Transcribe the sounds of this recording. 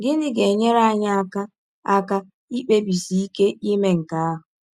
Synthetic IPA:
ɡɪ˦nɪ˦ɡe˨ɲe˦ɾa˦a˦ɲa˦a˦ka˦ | a˦ka˦ | i˦k͡pe˦bi˨si˨i˦ke˦i˦me˦ŋ̩˨ka˦a˦ɦʊ˨

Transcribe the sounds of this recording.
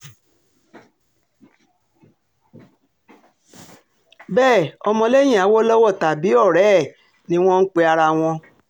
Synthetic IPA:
bɛː˦˨ɔ˧mɔ̃˧le˦j̃ĩ˦˨a˨˦wo˦lɔ˦wɔ˦˨ta˨bi˨˦ɔ˦˨ɾɛː˦˨ | nĩ˦w̃ɔ̃˦n̩˦k͡pe˧a˧ɾa˧w̃ɔ̃˧

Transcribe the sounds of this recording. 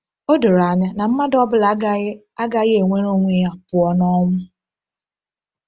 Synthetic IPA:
o˦do˨ɾa˨ɲa˦na˨m̩˦ma˦dɔ˦bʊ˦l | a˦ɡa˦ɣe˨ŋʷe˦ɾo˦ŋʷe˦ja˦pʊ˨ɔ˨nɔ˦ŋʷʊ˦

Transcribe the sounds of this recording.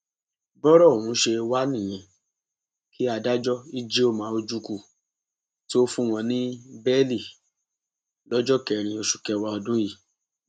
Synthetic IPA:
bɔ˦ɾɔ˦˨ũ˨˦ʃe˧wa˦nĩ˦˨j̃ɛ̃˧˨ | ki˦a˧da˦d͡ʒɔ˦i˦d͡ʒe˦o˦˨mãː˨˦o˧d͡ʒu˧ku˧˨ | ti˦o˦fũ˦w̃ɔ̃˧nĩ˦bɛ˦li˦˨ | lɔ˦d͡ʒɔ˦kɛ˨ɾ̃ĩ˧o˧ʃu˨kɛ˧wa˧ɔ˧dũ˦ji˦˨

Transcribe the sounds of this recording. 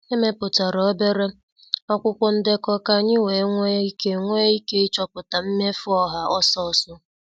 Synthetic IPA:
e˦me˦pʊ˨ta˨ɾɔ˨˦be˦ɾe˦ | ɔ˦kʷʊ˦kʷʊ˦n̩˦dɪ˦kɔ˦ka˦ɲɪ˦we˨˦ŋʷe˦i˦ke˦ŋʷe˦i˦ke˦i˦t͡ʃɔ˦pʊ˨ta˨m̩˦me˦fʊ˦ɔ˦ɦa˨ɔ˦sɔ˦˨sʊ˦

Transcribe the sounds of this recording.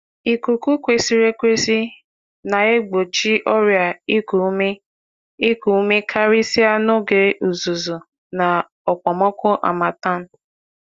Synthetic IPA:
i˨ku˨ku˦kʷe˨si˨ɾe˦kʷe˦si˦ | na˨e˦ɡ͡bo˨t͡ʃi˦ʔɔ˦ɾja˨i˦ku˨˦me˦ | i˦ku˨˦me˦kʰa˦ɾi˦si˦a˦no˦ɡe˨ʔu˨zu˨zu˨ | na˨ | ɔ˨k͡pɔ˨mɔ˦kʊ˦ʔa̰˨ma˨ta˦˨n̩˦˨

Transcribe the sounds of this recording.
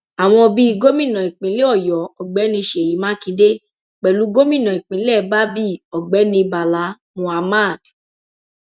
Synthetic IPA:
a˨w̃ɔ̃˧bi˦˧ɡo˦mĩ˦˨nã˨i˨k͡pĩ˨˦le˦ɔ˦˨jɔ˨˦ɔ˨ɡ͡bɛ˨˦nĩ˧ʃe˨ji˨˦mã˦kĩ˧de˦ | k͡pɛ˨lu˨˦ɡo˦mĩ˦˨nã˨i˨k͡pĩ˨˦lɛ˦˨ba˦bi˦ɔ˨ɡ͡bɛ˨˦nĩ˧ba˨la˨˦mũ˧a˧ma˦˨d

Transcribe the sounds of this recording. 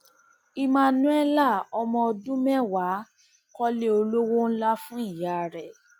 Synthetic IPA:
i˧mã˧nũ˦ɛ˦la˦˨ɔ˧mɔ̃˧ɔ˧dũ˦mɛ˦wa˨˦ | kɔ˦le˦o˧lo˦wo˦n̩˦la˦fũ˦i˦˨ja˨˦˨ɾɛ˨

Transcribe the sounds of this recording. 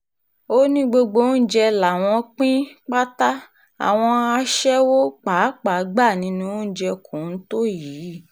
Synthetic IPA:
o˦nĩ˦ɡ͡bo˧ɡ͡bo˧˦n̩˦d͡ʒɛ˧la˨w̃ɔ̃˧k͡pĩ˦k͡pa˦ta˦ | a̰˨w̃ɔ̃˧a˧ʃɛ˦wo˦k͡pa˨˦k͡pa˨˦ɡ͡ba˦˨nĩ˧nũ˧o˦n̩˦d͡ʒɛ˧kʰũ˨n̩˦to˦jiː˨˦

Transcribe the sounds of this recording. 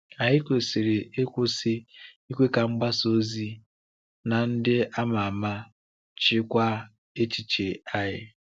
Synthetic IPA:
a˨ɦɪ˦kʷe˨si˨ɾɪ˨e˦kʷʊ˦sɪ˦ | i˦kʷe˦ka˨ŋ͡m̩˦ɡ͡ba˦so˦zi˦ | na˨n̩˦dɪ˦ʔa˦ma˨a˨ma˦ | t͡ʃɪ˦kʷa˦ | e˦t͡ʃi˨t͡ʃe˨a˦ɦɪ˦

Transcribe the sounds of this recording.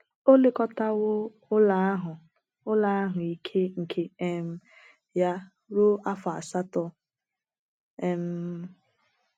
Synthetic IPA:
o˦le˦kɔ˦ta˦wʊ˦ | ʊ˦la˦ɦʊ˨ | ʊ˦la˦a˦ɦʊ˨i˨kʰe˦ŋ̩˨kʰe˦e˦m̩˦ | ja˦ | ɾu˦a˦fa̰˨sa˦tɔ˦ | e˨m̩˦

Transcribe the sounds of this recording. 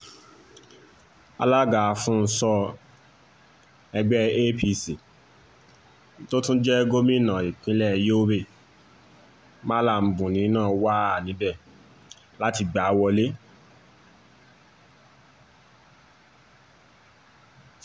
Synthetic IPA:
a̰˧la˦ɡa˨˧fũ˦n̩˦sɔ˧ | ɛ˧ɡ͡bɛ˦e˦pʰi˦˧si˨ | n˦to˦tũ˦d͡ʒɛ˦ɡo˦mĩ˦˨nã˨i˨k͡pĩ˨˦lɛ˦˨jo˦o˦be˦˨ | mã˦la˦˨m̩˨˦bũ˨nĩ˨˦nãː˦˨˦wa˦a˨nĩ˨˦bɛ˦˨ | la˦ti˧ɡ͡ba˨˦wɔ˧le˦

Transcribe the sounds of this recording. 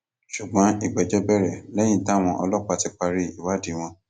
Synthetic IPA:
ʃu˨ɡ͡bɔ̃˨˦i˨ɡ͡bɛ˨d͡ʒɛ˦bɛ˦˨ɾɛ˦˨lɛ˦j̃ĩ˦ta˦˨w̃ɔ̃˧ʔɔ˧lɔ˦k͡pa˧˨ti˦k͡pa˧ɾi˦i˨wa˦di˨˦w̃ɔ̃˧

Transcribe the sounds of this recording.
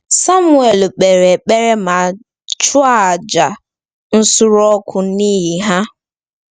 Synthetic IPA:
sa˦mʊ˨e˨lk͡pe˨ɾe˨k͡pe˦ɾe˦ma˨ | t͡ʃʊ˦a˦˨d͡ʒa˨ | n̩˦sʊ˦ɾɔ˦kʰʊ˦ni˦ɦi˨ɦa˦

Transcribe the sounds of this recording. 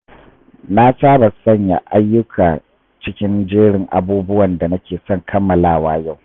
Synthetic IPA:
na˦saː˦ba˨sɐ˦˨ɲja̰˨ʔa˦jːʊ˦kʰaː˨ | t͡ʃɪ˦kʲɪ˦nd͡ʒeː˦ɽɪ˨ŋʔa̰˨buː˦bʊ˦wɐ˨nda˨nɐ˦kʲeː˨sɔ˦˨ŋkʰɐ˦mːɐ˨laː˦˨waː˦ja˦˨w

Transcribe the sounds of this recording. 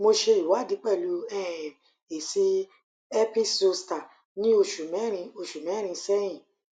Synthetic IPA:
mo˧ʃe˧i˨wa˨˦˨di˨˦k͡pɛ˦˨lu˧˦ɛ˦˨ | e˨si˧ | ɛ˦pi˦so˧sta˨ | nĩ˦o˧ʃu˨mɛ̃˨˦ɾ̃ĩ˧o˧ʃu˨mɛ̃˨˦ɾ̃ĩ˧sɛ˦j̃ĩ˨

